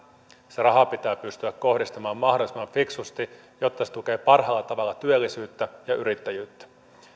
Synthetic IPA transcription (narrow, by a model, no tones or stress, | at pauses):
serɑɦɑpit̪æːpyst̪yækːo̞hdist̪ɑmɑːmːɑɦdo̞lisemɑɱfiksust̪i | jo̞t̪ːɑse̥t̪uke̞ːpɑrɦɑːlːɑt̪ɑʋɑlːɑt̪yølːisyːt̪ːæjɑʔyɾit̪ːæjyːt̪ːæ̥